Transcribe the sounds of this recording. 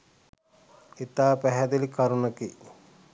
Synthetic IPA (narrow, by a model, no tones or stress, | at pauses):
it̪aːpæɦɛd̪elikaɾunɐki